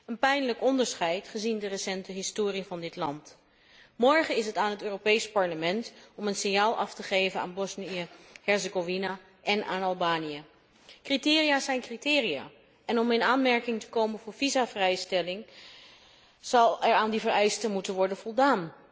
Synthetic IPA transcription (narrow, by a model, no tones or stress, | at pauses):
ənpɛjnləkɔndəɹsχɛjtχəzindərəsɛntəɦɪstoːrivɑndɪtlɑnt | mɔɹχəɪsɦətaːnɦətøːropejspɑɹləmɛntɔmənsɪnjaːlˠʔɑftəχejvəna̰ːnbɔsniəhɛɹzəɡovina | ʔɛnʔaːnɑlˠbaːnijə | kritɪːriaːsɛjnkritɪːrija̰ː | ɛnɔmɪnaːnmɛɹkɪŋtə̥kowmənvʊːɹvizavrɛjstɛlɪŋ | z̥ɑlˠɛɹaːndivəɹɛjstəmutənʋɔɹdənvɔlˠdaːn